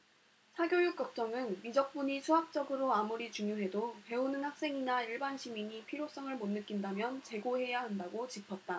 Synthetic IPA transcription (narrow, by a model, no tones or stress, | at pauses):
sʰaɡjojuk͈̚ʌk̚t͡ɕ͈ʌŋɯnmid͡ʑʌk̚p͈uɲisʰuɦak̚t͡ɕ͈ʌɡɯɾoamuɾit͡ɕuŋjoɦe̞dope̞unɯnhak̚s͈e̞ŋinaiɭbanɕʰimiɲipʰiɾjos͈ʌŋɯɭmonːɯk͈indamjʌnt͡ɕe̞ɡohe̞jaɦandaɡot͡ɕipʰʌt̚t͈a